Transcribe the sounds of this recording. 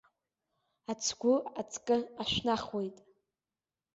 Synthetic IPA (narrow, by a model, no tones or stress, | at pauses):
at͡sʰɡʷʊat͡sʰʼkʼɨaʃʷᶣnaχwejtʼ